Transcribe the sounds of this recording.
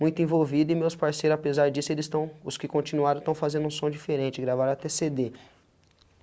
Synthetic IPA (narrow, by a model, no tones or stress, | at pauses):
mũj̃t̪ʊẽvowvid̪ɪmewspaɾsejɾʊzapezaɾd͡ʒisʊelɪst̪ɐ̃w̃ʊskɪkõnt͡ʃĩnuaɾɐ̃t̪ɐ̃w̃fazẽnd̪ũsõd͡ʒifeɾẽnt͡ʃɪɡɾavaɾat̪esed̪e